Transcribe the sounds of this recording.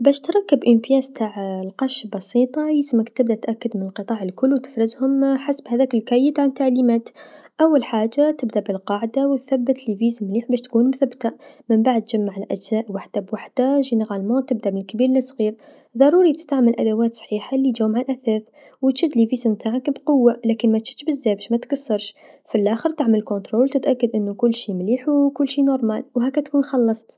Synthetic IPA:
bæʃt̪ɾˤɑkːəbʔɪnfjæːzt̪ʰaːʕlqɑʃbɑsˤiːt̪ˤɑjismakt̪ɪb̚d̪at̪ʔakːad̪mɪnəlqɨt̪ˤɑːʕəlkʊlːwt̪ɪ̥fɾɪzhʊmħasbhæðæːkɪlkæːjəd̪ʕant̪ːaʕlimaːt̪ʔawːalħaːʒːat̪ɪbd̪aʔbɪlqɑːʕd̪awt̪θabːət̪liviːzmliːħbæːʃt̪kuːnmʊθabːt̪a | məmbaʕd̪̚t̪ːʒ̥amːaʕɪlʔæd͡ʒzaːʔwaħd̪̥abwaħd̪aʒinɣalmat̪ɪb̚d̪aʔbɪlkbiːɾlɪsːˤɣiːɾ | ðˤɑɾˤuːɾit̪ə̥st̪aʕməlʔa̰d̪awaːt̪sˤħiːħalid͡ʒawmʕalʔaθæːθ | wt̪ʃɪd̪liviːzmt̪aːʕakbqʊwːalæːkɪnmæt̪ʃɪ̥t̪ʃbɪzːæːbæʃmæt̪kasːɑɾˤʃfilʔaːxəɾt̪aʕməlkʊnt̪ɾoːlt̪ɪt̪ʔakːad̪ʔɪnːukʊlːʃiːmliːħwkʊlːʃiːnoɾˤma̰ːlwɦæːkːæt̪kuːnxɑlːɑsˤt̪

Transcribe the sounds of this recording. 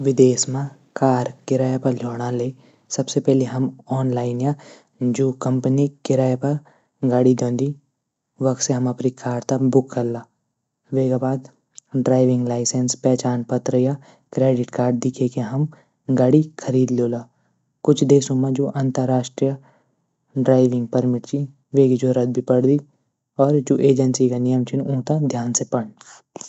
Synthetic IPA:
ʋɪd̪eːsmã | kaːɾkɪɾaːjapɐɾd͡ʒʱoːɽ̃aleː | sɐbsepɛːleɦɐmɔːnlaːɪnja | d͡ʒoːkɐ̃mpənikɪɾaːjapɐɾ | ɡaːɽid̪õːnd̪i | ʋɐkseɦɐmɐpɾikaːɖt̪abʊkːɐɾlaː | ʋeːɡabaːd̪ | ɖɾaːɪʋɪ̃ŋɡlaːɪsenspɛːt͡ʃaːnpət̪ɾəja | kɾeːɖɪʈkaːɾɖ̚d̪ɪkʰekeɦɐm | ɡaːɽikʰəɾiːd̪loːlaː | kʊt͡ʃʰd̪eːsõmãd͡ʒoːʔɐ̃nt̪əɾːaːʃʈɾijə | ɖɾaːɪʋɪ̃ŋɡ̚pɐɾmɪʈt͡ʃi | ʋeːɡid͡ʒoɾɐd̪̚bʱipɐɽd̪i | ɔːɾd͡ʒoːʔeːd͡ʒənsikanɪjəmt͡ʃʰɪnũːt̪ad̪ʱjaːnsepɐɽ

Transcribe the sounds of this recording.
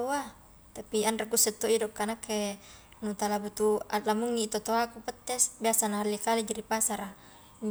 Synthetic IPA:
oa | t̪apianrakusɛt̪ːoidɔkːanakːe | nut̪alabut̪ualamuŋːit̪ot̪oakupət̪ːɛsbiasanaɦalːikalid͡ʒaɾipasaɾa

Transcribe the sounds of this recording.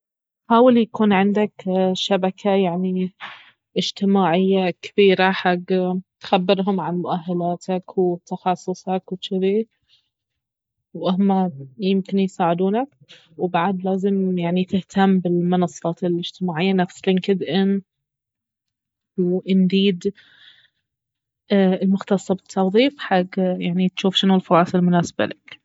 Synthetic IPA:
ħaːwɪljakuːnʕɪnd̪akʃabakʰajaʕni | ʔɪd͡ʒt̪ɪmaːʕɪjːakɪb̥iːɾaħaɡt̪xabːɪɾɦʊmʕanmʊʔaɦːalaːt̪ʰakwt̪ɑxɑsˤːʊsˤɑkwt͡ʃɪði | wʔahmajɪmkɪnjsaːʕɪd̪uːnak | wbaʕad̪laːzɪmjaʕnit̪ɪht̪ʰamːbɪlmʊnɑsˤːɑːt̪ɪlʔɪd͡ʒt̪ɪmaːʕɪjːanafslɪŋkɪd̪ʔɪn | wʔɪnd̪iːd̪ | ɪlmʊxt̪ɑsˤːɑbɪt̪ʰːɑwðˤiːfħaɡːjaʕnit̪ʃuːfʃɪnulfɑɾˤɑːsˤɪlmʊnaːsba̰lɪk

